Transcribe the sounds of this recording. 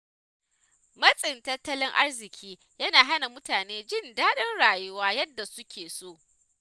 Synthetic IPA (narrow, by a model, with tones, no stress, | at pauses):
mɐ˦sʼɪ˨ntɐ˦tːɐ˦lɪ˦ŋʔa˦rzɪ˨kʲʰiː˦ | jɐ˦naː˨ɦa˦na˨mʊ˦taː˨neː˦d͡ʒɪ˦ndaː˦ɗɐ˦nɽaː˨jʊ˦waː˦jɐ˦dːa˨sʊ˦kʲeː˨soː˦˨ʔ